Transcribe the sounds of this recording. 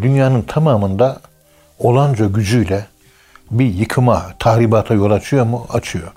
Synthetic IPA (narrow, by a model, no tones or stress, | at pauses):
d̪ynjaːnɯnt̪ʰamaːmɯnd̪a | o̞lˠand͡ʒaɟyd͡ʒyjlʲɛ | bijɯkʰɯmat̪ʰaɦɾibaːt̪ʰajo̞lˠat͡ʃʰɯjomuat͡ʃʰɯjo̞